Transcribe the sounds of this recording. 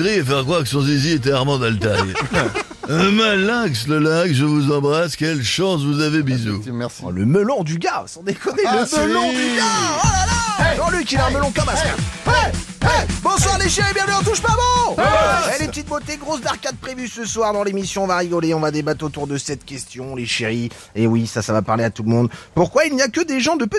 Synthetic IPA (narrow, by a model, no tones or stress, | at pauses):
ʁiefɛʁkχwaʁkəsɔ̃ziziet̪̬ɛaʁmɑ̃d̪alt̪aj | malaksləlakʒəvuzɑ̃bʁaskʲɛlʃɑ̃svuzavebizuɛsləməlɔ̃d̪yɡasɑ̃d̪ekɔnɛmlɔ̃d̪yɡaalalaʒɑ̃lɥikilɛɛ̃məlɔ̃kɔmaskawɛɛbɔ̃swaʁleʃeʁibjɛ̃vnyɑ̃t̪uʃpaːvɑ̃ | ɛlɛət̪it̪̚bot̪eɡʁosdaʁkʲad̪̚pχevysəswaʁd̪ɑ̃lemisjɔ̃ːvaʁiɡɔleɔ̃vad̪ebat̪χot̪uʁd̪əsɛt̪kʲɛst̪jɔ̃leʃeʁi | ewisasavapaʁleat̪ulmɔ̃d̪puʁkwailnijakəd̪eʒɑ̃d̪əpø